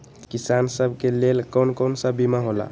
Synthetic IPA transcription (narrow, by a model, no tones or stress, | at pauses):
kisansəbʱkelelkənkonsəbimaɦola̰